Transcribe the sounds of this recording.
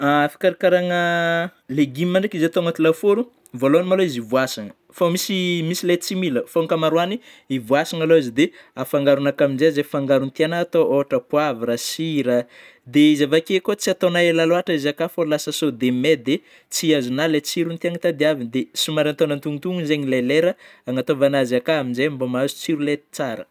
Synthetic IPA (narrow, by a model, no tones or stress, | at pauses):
afi̥kaɾakaɾaŋəleɡimimaɳɖ͡ʐakizeat̪oŋat̪ilafuɾu | voloanimaloizivuasaŋə̥ | famisimisilet͡similəfoŋkamaɾwani | ivuasaŋaloizid̪eafaŋɡaɾunakaminzeazefaŋɡaɾunt̪ianat̪ooɦaʈ͡ʂəpuaviɾasiɾə | d̪eizavakekot͡siat̪onaelaloaʈ͡ʂəizakafolasəsod̪emed̪e | t͡siazunalet͡siɾunt̪iaŋit̪ad̪eavind̪esumaɾant̪onant̪uŋit̪uŋunzeɲileleɾəaŋat̪ovanazakaaminzejmbomazu̥t͡siɾulet̪t͡saɾə